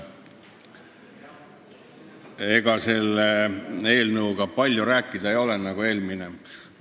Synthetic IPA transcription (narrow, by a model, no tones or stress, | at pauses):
e̞ɡ̥ɑse̞lee̞ːlnɤuɡ̥ɑpɑlʲjuɾæːkːˑid̪ɑejo̞lenɑɡ̥ue̞ːlmine